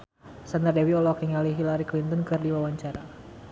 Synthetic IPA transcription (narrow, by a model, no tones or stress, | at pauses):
sand̪ərdɛwiɔlɔkɛŋaliɦilaɾiklint̪ɔnkɨrdiwawaɲt͡ʃaɾa